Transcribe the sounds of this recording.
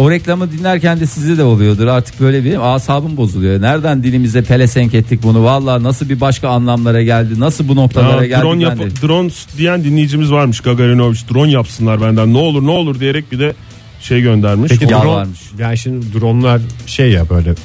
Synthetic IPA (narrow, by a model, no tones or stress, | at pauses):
o̞ɾɛclʲamɯd̪inlʲæɾcænd̪ɛsizd̪ɛd̪ɛolˠujo̞d̪uɾaɾt̪ʰɯ̥k̚bø̞jlʲebiaːsaːbɯmbo̞zulˠujonæɾd̪ænd̪ilʲimizd̪ɛpʰe̞lʲesɛɲcɛt̪ʰːic̚bunuvalˠːaːnasɯlˠbibaʃkaːnlˠamlˠaɾaɟælʲd̪inasɯlˠbuno̞k̚t̪ʰalˠaɾadɟællʲɾonjanid̪ɾonsd̪ijænd̪inlʲejid͡ʒimizvaɾmɯʃɡaɡaɾinovit͡ʃd̪ɾo̞njapsɯnlˠaɾbænd̪ænːɛolˠuɾnɛolˠuɾd̪ijeɾɛc̚bid̪ɛ | ʃe̞jɟønd̪æɾmiʃeijaɾoaɾmɯʃjaːnʃimd̪id̪ɾonlˠaɾʃejːabø̞jlʲɛ